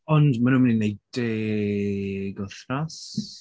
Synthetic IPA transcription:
ɔndmanuːmninːejde | ɡɔθras

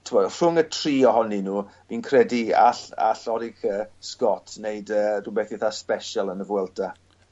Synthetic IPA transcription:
tʰɪmɔdr̥ʊŋətʰriːɔɦɔninuːb̥iːnkʰrɛdia̰ɬa̰ɬɔɾɪkəskɔtʰneɨdəːdʊbɛθɪθaspɛʃalˠənəvwɛlˠtʰa

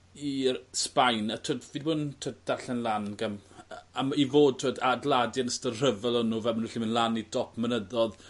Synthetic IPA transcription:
ispajnatʰoːdvidboːntʰoːdd̥aɬɛnlˠanɡəmamivoːd̚tʰoːdadlˠadjanəstər̥əvɛlˠɔnːuːvɛlmənuɬimənlˠanidɔpʰmənəðɔð

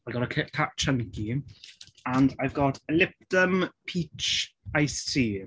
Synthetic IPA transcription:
aɪvɡɔɾəkʰkʰaʔt͡ʃʰə̃ŋki | ə̃ndaɪvɡɔtʰəlɪp̚təmpʰit͡ʃaɪsiː

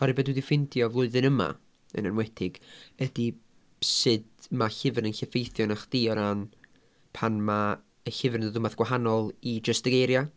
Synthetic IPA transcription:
aɾɨbɛdwdifɪndjɔvlˠʊɨðɨnəma̰ | ə̰nənwɛtʰɪɡ̥ədi | sɨdmaɬɪvɪrnənɬɛfejθjɔnaχd̥iɔɾan | pʰanma | əɬɪvɪrðʊmaθɡwaɦanɔlˠid͡ʒəstəɡejɾja

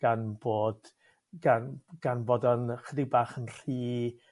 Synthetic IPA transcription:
ɡ̥anboːd̥ | ɡanɡ̥anboːdɔnχədɪbaːχənr̥iː

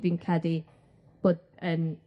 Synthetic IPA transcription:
vinkʰadi | b̥oːd̚ən

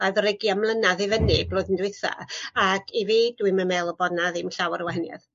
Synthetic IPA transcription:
aðɔɾɪɡjamlˠənaðɪvənɪb̥loːɨðəndwɪθa̰ːkʰiviːdwiməmɛːlˠɔbɔnaðimɬawɾəwɛɦɛnja̰ð

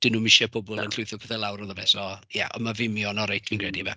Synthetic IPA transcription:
d̥ɪnuːmɪʃɛpʰɔbʊlˠənɬʊɨθʊpʰɛθɛlˠawɾɔðəbɛsɔja̰ʔɔ̰mavɪmjɔnɔɾajtʰvinkʰrɛdivɛ

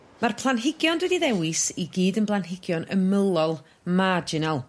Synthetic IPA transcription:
marpʰlˠanɦɪɡjɔndwɛdiðɛwɪsiɡiːdənblˠanɦɪɡjɔnə̰məlˠɔlˠ | mad͡ʒɪnalˠ

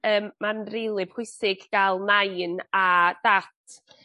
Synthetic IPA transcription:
əːmːanrijlˠɨb̥hʊsɪɡɡalˠnajnad̥atʰ

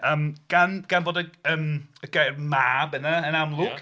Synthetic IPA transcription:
əmɡ̥anɡ̥anboːdəəːməɡ̥ajrmabɛnaənamlˠʊk

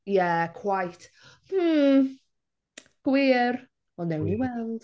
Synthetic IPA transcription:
jɛkʰw̥ajtʰ | mm̩ | ɡ̥wiːr | ɔnɛwniwɛlˠd̥

